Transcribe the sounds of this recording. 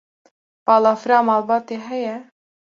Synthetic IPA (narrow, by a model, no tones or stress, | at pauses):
pɑːlɑːfɨɾɑːmɑːlbɑːt̪eːɦɛjɛ